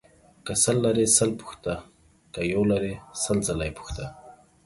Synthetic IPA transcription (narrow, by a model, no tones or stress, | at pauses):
kasəlːaɾesəlpu̥xt̪a | kajawlaɾesəlzalajpu̥xt̪a